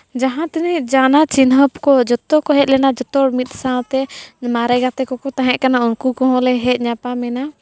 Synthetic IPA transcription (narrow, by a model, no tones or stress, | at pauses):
d͡ʒaɦãt̪inɛʔd͡ʒanat͡ʃinɦəpkɔd͡ʒɔt̪ɔkɔɦɛt̪̚ˀlɛnad͡ʒɔt̪ɔɽmit̪̚ˀsawt̪ɛmaɾɛɡat̪ɛkɔkɔt̪aɦɛ̃ʔkanaunkukɔ̃ɦɔ̃lɛɦɛt̪̚ˀɲapamɛna